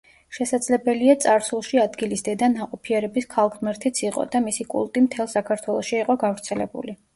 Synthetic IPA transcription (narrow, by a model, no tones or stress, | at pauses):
ʃɛsad̪z̥lɛbɛliat̪sʼaɾsulˠʃiad̪ɡilisd̪ɛd̪anaqʼɔpʰiɛɾɛbiskʰalˠɡʁmɛɾt̪ʰit̪sʰiqʼɔ̰d̪amisikʼṵlˠt̪ʼimt̪ʰɛlˠsakʰaɾt̪ʰwɛlˠɔʃiːqʼɔɡavɾt̪sʰɛlɛ̰bṵli